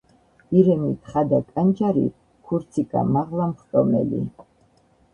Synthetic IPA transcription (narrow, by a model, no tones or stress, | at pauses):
iɾɛmit̪ʰχad̪akʼand͡ʒaɾḭ | kʰuɾt̪sʰikʼa̰maʁlamχt̪ʼɔmɛ̰lḭ